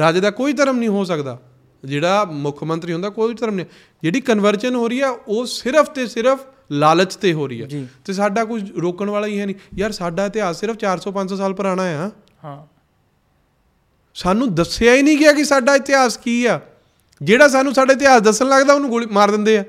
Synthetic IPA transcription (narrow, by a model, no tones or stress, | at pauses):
ɾaːd͡ʒeːd̪aːkoːiːt̪̬əɾəmnĩːɦoːs̬əkd̪aː | d͡ʒeːɽaːmʊkʰmə̃nt̪ɾiːɦõnd̪aːkoːit̪əɾəmnĩ | d͡ʒeːɽiːkənʋəɾt͡ʃənɦoːɾiːɛːoːsɪɾəpʰt̪eːsɪɾəpʰ | laːlət͡ʃt̪eːɦoːɾḭːɛ̰ːt̪eːs̬aːɖaːkʊt͡ʃʰɾoːkəɳʋaːlaːiːɦɛːnĩːjaːɾsaːɖaːɪt̪ɪɦaːsːɪɾəpʰt͡ʃaːɾsɔːpə̃ɲd͡ʒs̬ɔːsaːlpəɾaːɽ̃aːjãː | saːnũːd̪əsjaːiːnĩːɡɪaːkɪsaːɖaːɪt̪ɪɦaːskiːɛː | d͡ʒeːɽaːs̬aːnːũːsaːɖaːɪt̪̬ɪaːsd̪əsːənləɡd̪aːʊnũːɡʊlːmaːɾd̪ɪnd̪eːɛː